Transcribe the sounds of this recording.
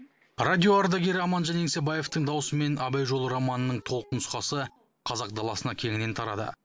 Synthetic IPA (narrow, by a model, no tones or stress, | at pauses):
rad̪ʲioaɾd̪ɑɡʲe̞ɾɪɑmɑnʒɑneŋse̞baje̞ft̪əɴd̪ɑwʊsəme̞nɑbɑjʒo̞lˠɾamɑnənəɴt̪ʰo̞lˠqənʊsqɑsə | qʰɑzɑq̚d̪ɑlˠɑsənɑkʲʰe̞ŋɪne̞nt̪ʰɑɾɑd̪ə̰